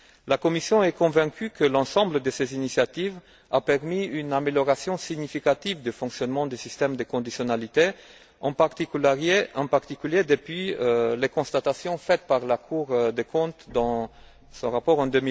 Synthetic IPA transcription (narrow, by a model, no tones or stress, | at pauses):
lakɔmisjɔ̃ɛkɔ̃vɛ̃kʰʲykəlɑ̃sɑ̃bləd̪əsezinisjat̪iv | apɛʁmiynameljɔʁasjɔ̃siɡɲifikat̪ivd̪əfɔ̃ksjɔnmɑ̃d̪esist̪ɛmd̪əkɔ̃d̪isjɔnalit̪e | ɑ̰̃paʁt̪ikleɑ̃paʁt̪ikʲyljed̪əpɥilekɔ̃st̪at̪asjɔ̃fɛt̪paʁlakʰuʁd̪ekɔ̃t̪d̪ɑ̃ | sɔ̃ʁapɔʁɑ̃d̪ømi